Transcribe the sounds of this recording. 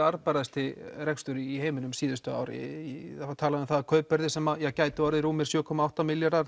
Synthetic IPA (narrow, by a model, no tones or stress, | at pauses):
aɾpaɾaðst̪ɪɾɛkst̪ʏɾɪiɦeːjmɪnʏmsiːðʏst̪ʏa̰wɾɪ̰aat̪ʰaːlaðʏʏmθaðkʰœːɥpːɛɾðɪsɛmaðjɛɣcaːjt̪ʏawɾðɪɾuːmɪ̥sjœːkʰɔmaawht̪amɪljaɾðaɾ